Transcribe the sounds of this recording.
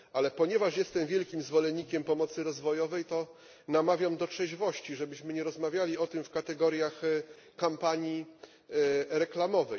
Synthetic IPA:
alɛpɔɲɛvaʂjɛst̪ɛmvʲjɛlkʲimzvɔlɛɲːikʲɛmpɔmɔt̪sɘɾɔzvɔjɔvɛjt̪ɔ | namavʲjamd̪ɔtʂɛʑvɔɕt͡ɕiʐɛbɘɕmɘɲɛɾɔzmavʲjalʲiɔt̪ɘmfkat̪ɛɡɔɾjax | kampaɲji | ɾɛklamɔvɛj

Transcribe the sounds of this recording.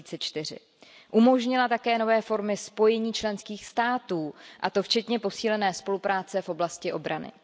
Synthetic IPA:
iːt͡sɛt͡ʃt̪ɪr̝ɪ̰ | ʔumo̞ʒɲɪlat̪akɛːno̞vɛːfo̞ɾmɪspo̞jɛɲiːt͡ʃlɛnskiːxst̪aːt̪uːʔat̪o̞ft͡ʃɛt̪ɲɛpo̞siːlɛnɛːspo̞lupɾaːt͡sɛfʔo̞blascɪʔo̞bɾanɪ̰

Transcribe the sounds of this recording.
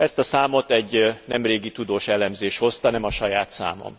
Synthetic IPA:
ɛst̪ɒsaːmo̞t̪ɛɟnɛmreːɡit̪ud̪oːʃɛlɛmzeːʃho̞st̪ɒnɛmɒʃɒjaːt̪sa̰ːmo̰m

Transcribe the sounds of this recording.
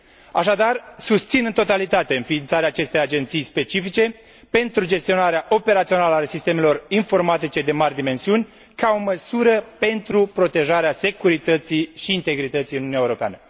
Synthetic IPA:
aʃad̪arsust̪sinɨnt̪o̞t̪alit̪at̪e̞ɨnfiːnt̪saɾeaːt͡ʃe̞st̪e̞jad͡ʒe̞nt̪sijspe̞t͡ʃifit͡ʃe̞ | pe̞nt̪ɾud͡ʒe̞st̪io̞naɾeaʔo̞pe̞ɾat̪sio̞naləasist̪e̞me̞lo̞rinfo̞rmat̪it͡ʃe̞d̪e̞marʲd̪ime̞nsiunʲ | kao̞məsuɾəpe̞nt̪ɾupɾo̞t̪e̞ʒaɾease̞kuɾit̪ət̪siʃiːnt̪e̞ɡɾit̪ət̪sijɨnuniaeuɾo̞pea̰nə

